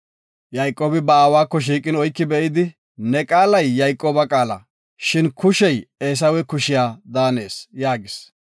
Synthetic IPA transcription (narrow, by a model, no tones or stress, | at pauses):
jɐjkʼːoːbɪbɐaːwaːkːɔʃ̬iːkʼɪnɔjkːɪbɛʔɪd̪ɪ | nɛkʼaːlɐjːɐjkʼːoːbɐkʼaːlɐ̰ | ʃɪnkʊʃɛjeːs̬ɐwɛkʊʃɪjaːd̪aːne̞̰ːsjaːɡɪs